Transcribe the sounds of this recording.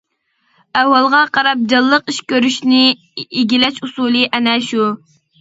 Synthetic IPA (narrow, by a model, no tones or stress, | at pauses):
æwːɑlˠʁɑqʰɑɾɑp̚d͡ʒɑlˠːəqiʃkʲøɾyʃnɪ | iɡʲilɛʃusulˠɨʔɛnɛʃu